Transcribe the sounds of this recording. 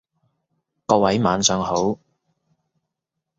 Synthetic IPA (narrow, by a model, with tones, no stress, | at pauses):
kɔː˧wɐ˨˥jmaː˨˧nsœː˨˧ŋho˨˥w